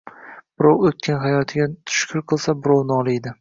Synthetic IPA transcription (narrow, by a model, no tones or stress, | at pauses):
b̥ʊɾowot̪̚kʲʰanɦajɒt̪ʰɪɡʲat̪ʰʊ̥ʃkʲʰʊɾqʰɨlˠsabʊɾownɒlˠɪed̪ɪ